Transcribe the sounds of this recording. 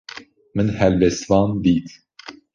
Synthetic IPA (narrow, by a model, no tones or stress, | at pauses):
mɨnhɛlvɛst̪vɑːnd̪iːt̪